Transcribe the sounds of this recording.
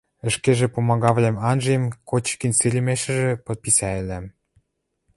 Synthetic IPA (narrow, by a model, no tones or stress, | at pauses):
ə̆ʃkeʒĕpomɑɣɑβlʲemɑnʒɤ̆jemkot͡ɕkinʲsilʲĭmeʃɘ̆ʒĕpɤ̆t̪̚pisæelæm